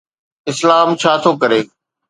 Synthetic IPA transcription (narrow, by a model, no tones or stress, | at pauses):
ɪslaːmt͡ɕʰaːt̪ʰoːkɐɾeː